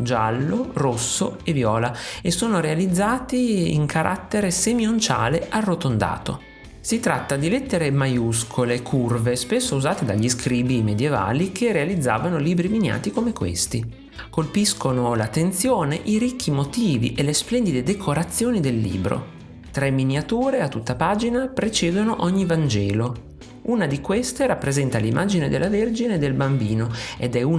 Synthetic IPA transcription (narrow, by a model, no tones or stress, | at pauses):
d͡ʒalːorosːo̰evjɔːlaesːoːnoɾealid̪zːaːt̪iḭŋkʰaɾʔa̰t̪ːeɾesemiont͡ʃa̰ːlearːot̪ond̪a̰ːt̪o̰ | sit̪ɾat̪ːad̪ilɛt̪ːeɾemajuskʰolekʰurvespesːouzaːt̪ed̪aʎːiskɾiːbimed̪jeva̰ːlikʰerealid̪zːa̰ːvanoliːbɾimina̰ːt̪ikomekwḛst̪i | kolpiskonolat̪ːent̪sjoːneʔiɾikʰːimot̪iːvḭʔelesplɛnd̪id̪ed̪ekʰoɾat̪sːjoːnid̪elːḭːbɾo̰ | t̪ɾɛmːinjat̪uːɾeat̪ːut̪ːapaːd͡ʒinapɾet͡ʃeːd̪onoʔɔɲːivand͡ʒɛːlo | unad̪ikwest̪eɾapːɾezɛnt̪alimʔaːd͡ʒined̪ḛlːaverd͡ʒined̪ːelbambiːnoed̪ɛu